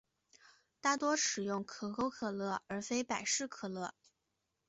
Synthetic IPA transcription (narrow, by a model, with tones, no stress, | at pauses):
t̪a˥˩t̪wɔ˥ʂɻ̩˨˩jʊ˥˩ŋkʰɤ˨˧˩ko˥ʊkʰɤ˨˩lɤ˥˩ə˞˧˥fe˥ɪpa˨˩ɪʂɻ̩˥˩kʰɤ˨˩lɤ˥˩